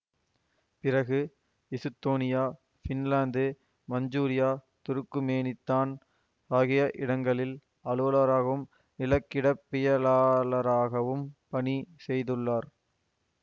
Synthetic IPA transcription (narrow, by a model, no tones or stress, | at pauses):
pɪɾɐɣɯ | ɪsɯt̪ːoːnɪjaː | fɪnlaːnd̪ɯ | mɐɲd͡ʒuːɾɪjaː | t̪ʊɾɯkːɯmeːnɪt̪ːaːn | aːɣɪjɐʔɪɽɐŋɡɐɭɪl | ɐlɯʋɐlaːɾaːɣɐʋɯm | nɪlɐkːɪɽɐpːɪjɐlaːlɐɾaːɣɐʋɯmpɐɳisɛjðɯɭːaːɾ